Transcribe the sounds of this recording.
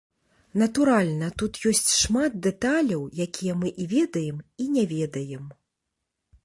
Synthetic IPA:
n̪ɐt̪uɾalʲnɐt̪ut̪jɔsʲt͡sʲʂmat̪̚d̪ɛt̪alʲɐwjakʲijɛmɨʔivʲɛd̪ɐjɛminʲɛvʲɛd̪ɐjɛm

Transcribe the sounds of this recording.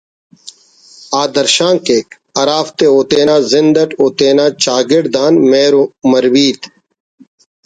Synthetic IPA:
aːd̪ɐɾʃaːŋkeːk | ɐɾaːft̪eːoːt̪eːnaːzɪnd̪ɐʈoːt̪eːnaːt͡ɕaːɡɪɖd̪aːnmeːɾomɐɾwiːt̪

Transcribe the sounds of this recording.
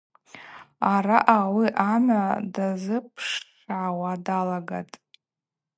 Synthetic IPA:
aɾaʔawiʔamadazɨpʰʂ | ʕawadalaɡa̰tʼ

